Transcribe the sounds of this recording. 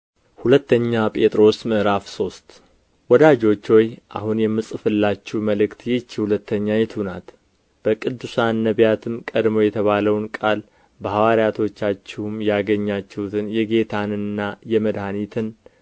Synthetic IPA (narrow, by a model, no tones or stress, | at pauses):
hulət̪ːəɲːapʼe̞t̪ʼɾo̞smɨʔɾafso̞st̪ | wɔd̪ad͡ʒo̞t͡ʃːwojʔa̰hunjɛmːɨsʼɨfɨlːat͡ʃːɛwməlɨkt̪jɛt͡ʃːihulət̪ʰːəɲːajɛt̪ʰhunat̪ | b̥əkʼɨd̪ːɨsanːəβjat̪ʰɨmkʼəd̪mo̞jɛt̪ʰəβaləwnkʼal | bəhawaɾijat̪ʰo̞t͡ʃːat͡ʃːɛhumjaɡəɲːat͡ʃːɛhut̪ʰɨnjɛɡe̞t̪ʰanɨnːajɛməd̪hanit̪ʰɨn